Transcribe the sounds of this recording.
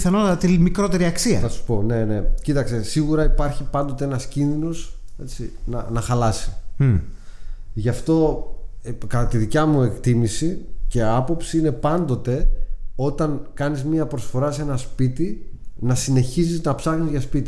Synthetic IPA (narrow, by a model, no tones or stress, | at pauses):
θɐno̞t̪ɐt̪ɐt̪imikɾo̞t̪e̞ɾiɐksiɐθɐsu̥po̞ne̞ne̞cit̪ɐkst̪e̞siɣuɾɐipɐɾçipɐnd̪o̞t̪eenɐscinðino̞ze̞t͡sinɐnɐxɐlɐsi̥ | ʝɐft̪o̞ | kɐt̪ɐt̪iðicɐmue̞kt̪imisice̞ɐpo̞psiine̞pɐnd̪o̞t̪e̞o̞t̪ɐŋkɐnizmiɐpɾo̞sfo̞ɾɐse̞nɐspit̪inɐsine̞çiziznɐpsɐxnizʝɐspit̪i